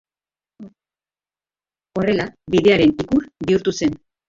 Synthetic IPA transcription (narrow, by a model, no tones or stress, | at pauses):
o̞re̞laβiðe̞aɾe̞nikuɾβiuɾt̪use̞n